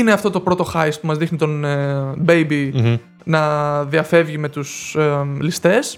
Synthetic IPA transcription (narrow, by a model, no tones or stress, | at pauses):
ineɐft̪o̞t̪o̞pɾo̞t̪o̞xɐjspumɐzðixnit̪onbe̞jbi | nɐðiɐfe̞vʝime̞t̪uslist̪e̞s